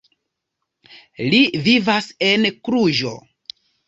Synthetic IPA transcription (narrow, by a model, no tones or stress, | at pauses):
livivase̞nkɾuʒo̰